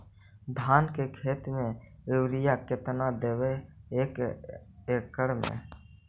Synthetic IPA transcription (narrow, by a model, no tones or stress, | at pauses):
d̪ʱaːnkekʰeːt̪mẽɪwɾɪjaket̪nad̪eːweeːk | eːkːəɽmḛ̃